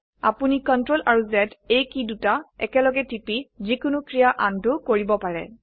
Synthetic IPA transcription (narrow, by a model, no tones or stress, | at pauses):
a̰punikɔntɹolʔaɹuzɛtejkidutaɛ̰kɛlɔɡɛtipizikʊnʊkɹijaʔantʊkoɹibɔpaɹɛ̰